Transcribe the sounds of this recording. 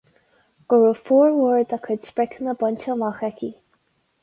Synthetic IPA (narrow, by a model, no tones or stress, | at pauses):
ɡ̥ʊɹufɔːɹwəɹd̪akʰədspɹɛkʰənəbɔnt͡ʃəlaxɛkʰʲi